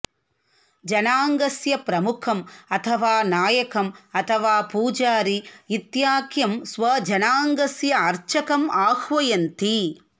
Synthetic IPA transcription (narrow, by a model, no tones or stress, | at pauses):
d͡ʒɐnaːŋɡɐsjɐpɾɐmʊkʰɐmɐt̪ʰɐʋaːnaːjɐkɐmɐt̪ʰɐʋaːpuːd͡ʒaːɾiɪt̪jaːkjɐmsʋɐd͡ʒɐnaːŋɡɐsjɐɐɾt͡ʃɐkɐmaːhʋɐjɐnt̪i